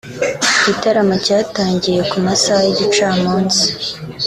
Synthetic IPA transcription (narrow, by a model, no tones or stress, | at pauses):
ɟitaɾamacaːtaːɲɟije̞kumasajiɟit͡ʃaːmoːnzi̥